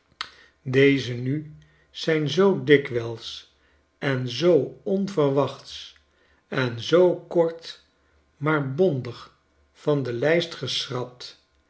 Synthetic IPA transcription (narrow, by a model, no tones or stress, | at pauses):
dejzəny | z̥ɛjnzowdɪkʋɛlˠs | ɛnzowɔnvərʋɑχts | ɛnzowkɔɹt | maːɹbɔndəχ | fɑndəlɛjstχəsrɑp̚t